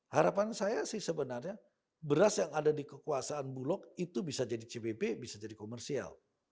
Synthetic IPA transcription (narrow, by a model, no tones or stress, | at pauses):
haɾapansajasihsəbənarɲa | bəɾasjaŋadadikəkuasaːnbulɔk̚it̪ubisad͡ʒadit͡ʃebebebisad͡ʒadikomɛrsia̰l